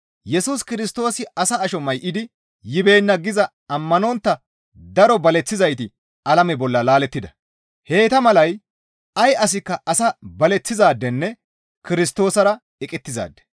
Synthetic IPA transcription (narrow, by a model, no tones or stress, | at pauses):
jɛsuskɪɾɪst̪o̞ːsɪɐsɐːʃɔmːɐjʔɪd̪ɪ | jɪbe̞ːnːɐɡɪzɐ | ɐmːɐnɔnt̪ːɐ | d̪ɐɾɔbɐlɛt͡sːɪzɐjt̪ɪ | ɐlɐmɛbɔlːɐlaːlɛt̪ːɪd̪ɐ | he̞ːt̪ɐmɐlɐj | ɐjʔɐs̬ɪkːɐʔɐsɐbɐlɛt͡sːɪzaːd̪ːɛnːɛ | kɪɾɪs̬t̪o̞ːsɐɾɐ | ɛkʼɛt̪ːɪza̰ːd̪ːɛ̥